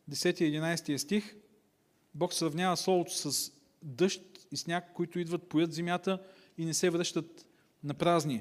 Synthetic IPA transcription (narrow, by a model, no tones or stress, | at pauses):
d̪ɛsɛt̪iɛd̪inajst̪ijəst̪ix | bɔksɾɐvnʲjavəslˠɔvˠot̪ʊ̥sɐs | d̪ɤʃt̪isnʲakːoit̪ʊid̪vət̪̚pojɤt̪zɛmʲjat̪ə | inɛsɛvɾɤʃt̪ət̪ | nɐpɾazni